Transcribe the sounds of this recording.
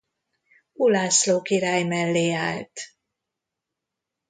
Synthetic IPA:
ulaːsloːkiɾaːjmɛlːeːa̰ːlt̪

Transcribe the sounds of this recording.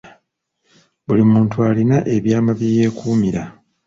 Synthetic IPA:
βulimuːntuaːlinaʔe̞βjaːmaβije̞ːkʰuːmiɾa

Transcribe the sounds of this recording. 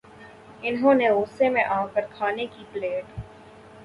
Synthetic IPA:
ɪnɦõneoːsemẽʔaːkəɾkʰaːnekipleːʈ

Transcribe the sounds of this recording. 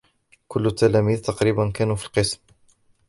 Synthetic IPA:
kʊlːt̪ːælæmiːðt̪ɑqɾiːbankæːnufilqəsm

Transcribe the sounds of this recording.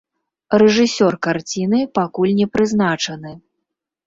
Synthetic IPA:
rɛʐɨsʲɔrkart͡sʲinɨpakulʲnʲɛpɾɨznat͡ʂɐnɨ

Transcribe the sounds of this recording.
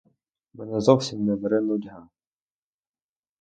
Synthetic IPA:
mɛnɛzɔwsʲimnɛʋɛɾɪnɔdʲɦɑ

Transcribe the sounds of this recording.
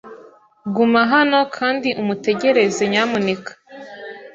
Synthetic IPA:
ɡumaɦano̞kʰaːndiʔumute̞ɟe̞ɾe̞zeɲamunikḁ

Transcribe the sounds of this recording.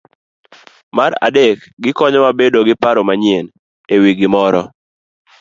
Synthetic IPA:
maɾa̰dekɡɪkɔɲɔmabedoɡɪpaɾomaɲjen | ewiɡɪmɔɾɔ

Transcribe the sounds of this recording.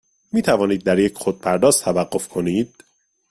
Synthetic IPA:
miːt̪ʰævɒːniːd̪̚ːæɾjecʰxod̪̚pʰæɾd̪ɒːst̪t̪ʰævæɡːo̞fkʰo̞niːd̪̥̚

